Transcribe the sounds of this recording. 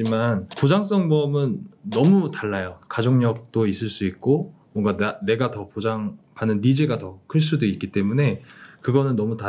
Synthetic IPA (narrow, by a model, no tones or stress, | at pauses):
imanpod͡ʑaŋs̬͈ʌŋmʌmɯnːʌmutaɭːajokad͡ʑoŋɲʌk̚t͈ois͈ɯɭs͈uik̚k͈o | mwʌŋɡaane̞ɡatʌpod͡ʑaŋpanɯnːid͡ʑeɡatʌkʰɯɭs̬͈udeik͈it͈e̞mune̞kɯɡʌnɯnːʌmuta